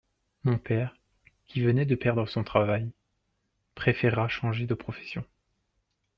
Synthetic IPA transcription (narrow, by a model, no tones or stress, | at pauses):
mɔ̃pɛʁ | kʲivənɛd̪əpɛʁd̪ʁəsɔ̃t̪χavaj | pχefeʁaʃɑ̃ʒed̪əpχɔfɛ̥sjɔ̃